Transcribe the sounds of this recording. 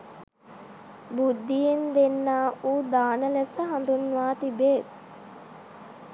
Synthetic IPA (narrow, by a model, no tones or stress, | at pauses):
bud̪ːijend̪enːaːʔuːd̪aːnəlesəɦand̪unːuʋaːt̪ibeː